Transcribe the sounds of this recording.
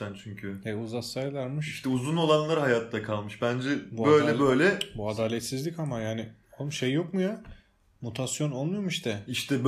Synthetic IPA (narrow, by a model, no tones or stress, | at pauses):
ænt͡ʃʰyɲcʰyɛuzasajlˠaɾmɯʃiʃt̪ʰɛuzuno̞lˠanlˠaɾɯɦajat̪ːakʰalˠmɯʃbænd͡ʒɛbuø̞jlʲɛbøjlʲɛbuad̪aːlʲɛt̪sizlʲicamajaːnɪ | omʃejːo̞kmuja | mut̪ʰasjo̞no̞lˠmujomiʃt̪ʰɛiʃt̪ʰɛb